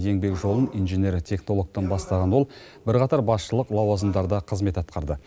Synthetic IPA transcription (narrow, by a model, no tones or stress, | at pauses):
je̞ŋbe̞kʒo̞lˠənijnʒenʲe̞ɾt̪ʲʰe̞kno̞lˠo̞k̚t̪ənbɑst̪ɑʁɑnwo̞lˠ | bɪɾqɑt̪ɑɾbɑsʃəlˠəqlˠɑwɑzənd̪ɑɾd̪ɑqʰəzme̞t̪ɑt̪̚qɑɾd̪ə